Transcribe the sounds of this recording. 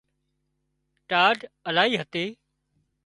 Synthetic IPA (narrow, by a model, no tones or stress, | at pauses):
ʈaːɖəlaːɦiːɦət̪eː